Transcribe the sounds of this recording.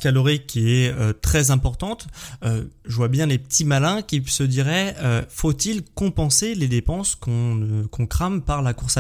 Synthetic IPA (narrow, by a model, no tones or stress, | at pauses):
kalɔʁikʲiɛøt̪χɛzɛ̃pɔʁt̪ɑ̃t̪øʒəvwabjɛ̃lepət̪ʰimalɛ̃kʲisəd̪iʁɛøfot̪ilkɔ̃pɑ̃seled̪epɑ̃skɔ̃kɔ̃kχampaʁlakuʁsa